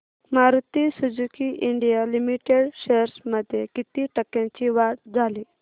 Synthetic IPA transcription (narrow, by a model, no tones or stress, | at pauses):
maɾut̪isud͡zukiʔiɳɖijalimiʈeɽɕeɾsməd̪ʱːjekit̪iːʈəkːãt͡ɕiʋaʈd͡zʱali